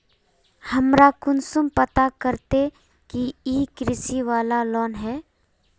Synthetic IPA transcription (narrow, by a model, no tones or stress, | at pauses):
hɐmɾakʊnsʊmpət̪akəɾt̪e | kiiːkɾɪsiʋaːlalɔːnɦɛː